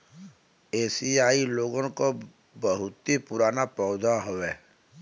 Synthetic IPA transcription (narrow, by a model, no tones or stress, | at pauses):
eːsiaːiloːɡõko | bəɦʊt̪ipʊɾaːnapɔːd̪ʱaɦoʋeː